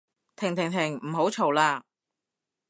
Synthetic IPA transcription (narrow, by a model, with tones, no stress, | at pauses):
t̪ʰɪ˨˩ŋt̪ʰɪ˨˩ŋt̪ʰɪ˨˩ŋm̩˨˩ɦo˨˥wt͡ʃʰo˨˩wlaː˧